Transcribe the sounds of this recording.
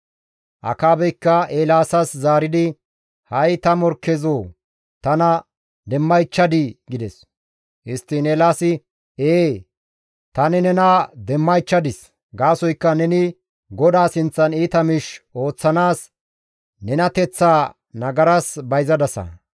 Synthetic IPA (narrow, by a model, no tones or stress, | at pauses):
ʔɐ̰kaːbɛjkːɐeːlaːsɐszaːɾɪd̪ɪ | hɐjt̪ɐmɔɾkːɛzoː | t̪ɐnɐ | d̪ɛmːɐjt͡ʃːɐd̪ɪɡɪd̪ɛs | ɪst̪ːɪneːlaːsɪ | eː | t̪ɐnɪnɛnɐd̪ɛmːɐjt͡ʃːɐd̪ɪs | ɡaːsɔjkːɐnɛnɪ | ɡɔd̪aːsɪnt͡sːɐniːt̪ɐmɪʃo̞ːt͡sːɐnaːs | nɛnɐt̪ɛt͡sːaː | nɐɡɐɾɐsbɐjzɐd̪ɐsɐ̰